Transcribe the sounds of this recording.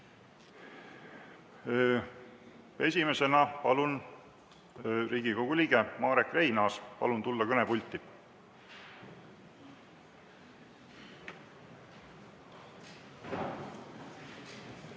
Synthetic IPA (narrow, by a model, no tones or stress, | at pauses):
e̞sʲime̞se̞nɑpɑ̰lun | ɾiːɡiko̞ɡ̥uliːɡemɑːɾekre̞jnɑːspɑ̰lunt̪ulːɑkɤnepulʲt̪ːˑi